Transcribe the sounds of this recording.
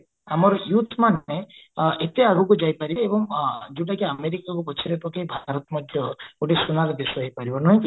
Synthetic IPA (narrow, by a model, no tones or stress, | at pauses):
amɔɾɔjut̪ʰmaneet̪eaɡukud͡ʒajpaɾiebɔŋd͡ʒuʈakeameɾikakukɔt͡ʃʰiɾet̪ɔkʰebʱaɾɔt̪ɔmɔd̪ʱjɔɡoʈesunaɾɔbiswaɦijpaɾibɔnɔɦĩki